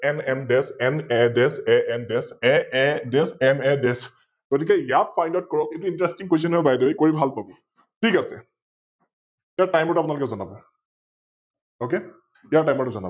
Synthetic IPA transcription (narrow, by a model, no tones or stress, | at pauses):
ɛnɛndɛsɛnɛdɛsɛʔɛndɛsɛɛdɛsɛnɛdɛs | ɡ̥otikɛjat̚fʰajndaʊt̚kɔɹɔketuintɹɛstiŋkwes̬ɔnɦɔjbajdɔjkoɹibʱalpabɔ | tʰikasɛ̰ | ijaɹtajmɔtuap̬unalokɛzɔnabɔ | oke | ijaɹʈajmɔɹtuzɔna̰bɔ